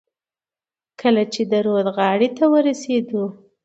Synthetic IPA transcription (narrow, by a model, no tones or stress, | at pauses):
kʰəlat͡ʃed̪əɾod̪ɣɑɽit̪awəɾased̪u